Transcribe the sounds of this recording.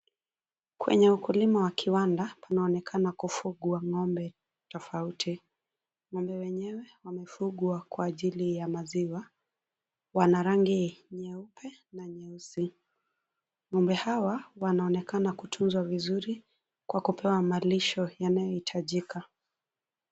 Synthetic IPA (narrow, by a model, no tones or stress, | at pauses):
kwɛ̰ɲɛukulimawakʰiwandapʰanaɔnɛkʰanakufuɠuaŋɔmbɛ | tɔfautʰi | ŋɔmbɛwɛɲɛwɛwamɛfuɠuakwaːʄilijamaziwa | wanaɾaŋɡiɲɛupʰɛnaɲɛusi | ŋɔmbɛhawawanaɔnɛkanakutʰunzwavizuɾi | kwakupʰɛwamaliʃɔjanajɔhitʰaʄikʰa